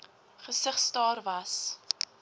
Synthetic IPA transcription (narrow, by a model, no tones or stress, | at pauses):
χəsəχstɑːrvɐs